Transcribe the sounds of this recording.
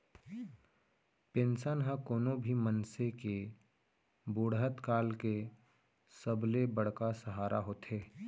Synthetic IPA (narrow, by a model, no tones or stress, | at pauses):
pẽːnsənɦə̃koːnõbʱimənseke | boːɽɦət̪kaːlke | səblebəɽ̤kasəɦaːɾaɦoːt̪ɦeː